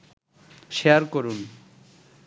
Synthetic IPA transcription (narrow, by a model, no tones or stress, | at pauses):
ʃeaɾkoɾun